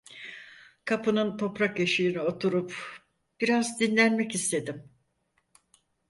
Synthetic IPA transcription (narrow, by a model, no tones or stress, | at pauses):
kʰapɯnɯnt̪ʰo̞pɾakjeʃɯjinio̞t̪ʰuɾup | b̥iɾazd̪inlʲænmɛcist̪ʰe̞d̪im